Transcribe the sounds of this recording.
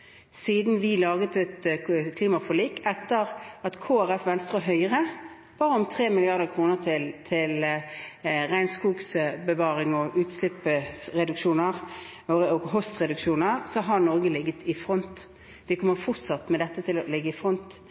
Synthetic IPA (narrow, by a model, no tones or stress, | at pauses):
siːd̪n̩ʋɪlɑːɡət̪ət̪kʰliːmɑfɔliːkɛt̪ːəʁɑt̪kʰoːæɾɛfʋɛnst̪ʁʉːɦœʏəʁə | b̥ɑːɾəɔmt̪ʰʁeːmɪlɪɑʁd̪əkʰʁuːnəʁt̪ʰɪlt̪ʰɪl | ʁæɪnskuːɡsbəʋɑːʁɪŋɔʔʉːt̪slɪpːəsʁɛd̪ʉkʃuːnəʁ | oəɔɡɦɔst̪ʁɛd̪ʉkʃuːnəʁsɔɦɑʁnɔʁɡəlɪɡːət̪ɪfʁɔnt̪ | d̪ɛkʰɔmːəʁfʊʁt̪sɑt̪mɛd̪ɛt̪ːət̪ʰɪlɔlɪɡːəɪfʁɔnt̪